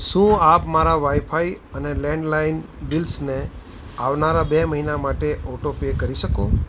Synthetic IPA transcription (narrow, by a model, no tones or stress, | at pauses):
ʃũapmaɾaʋaifʰai | ənelɛ̃ɳɖlain | bilsne | aʋnaɾabeməɦinamaʈeʔɔʈopekəɾiʃəkõ